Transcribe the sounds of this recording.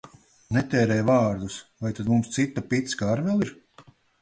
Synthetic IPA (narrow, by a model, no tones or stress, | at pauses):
nɛt̪ɛːɾɛjvaːɾd̪usvajt̪ad̪mumst̪sit̪ːapit̪skaɾvɛlˠiɾ